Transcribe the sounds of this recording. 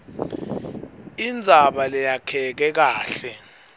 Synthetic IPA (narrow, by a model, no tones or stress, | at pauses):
ind͡zʱaɓalɛjakʰɛk̬ɛk̬aːɬɛ